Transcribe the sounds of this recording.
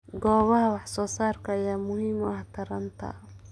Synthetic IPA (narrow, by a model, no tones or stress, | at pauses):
ɡɔːβɐɦɐwɑħsɔːsaːrkʰɐːjaːmʊhiːmʊɐht̪ʰɐɾɐnt̪ʰɐ̰